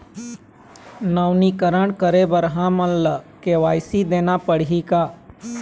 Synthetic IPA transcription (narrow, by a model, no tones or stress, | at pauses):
naːwnikəɾəɳkəɾebəɾɦãmənləkeːʋaːɪsid̪eːnapəɽɦikaː